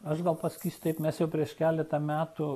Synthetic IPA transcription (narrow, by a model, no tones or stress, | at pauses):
ɐʃɡɐlˠpɐsɐ̥kʲiːsʲt̪ɐɪpmʲɛsjɛʊpʲɾʲiɛʃkʲæːlʲɛt̪ɐmʲæːt̪ʊ